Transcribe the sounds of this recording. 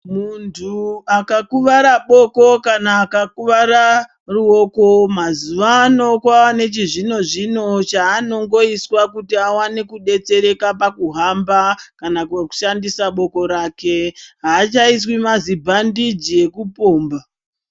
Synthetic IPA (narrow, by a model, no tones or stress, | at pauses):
muntʰuakakuʋaɾaɓo̞ko̞kanaːkakuʋaɾa | ruo̞ko̞mazuʋaːno̞kwaːne̞t͡ʃiʐino̞ʐino̞t͡ʃaːno̞ŋɡo̞iswakutiawanekuɗe̞t͡se̞ɾe̞kapakuɦambakanakweku̥ʃandisaɓo̞ko̞ɾaːke̞ɦaːt͡ʃais̬wimazibʱandid͡ʒie̞kupo̞ːmba